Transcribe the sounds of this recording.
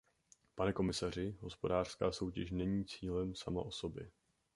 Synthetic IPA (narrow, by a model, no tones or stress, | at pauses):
panɛko̞mɪsar̝ɪɦo̞spo̞daːr̥skaːso̞wcɛʃnɛɲiːt͡siːlɛmsama̰ʔo̞so̞bjɛ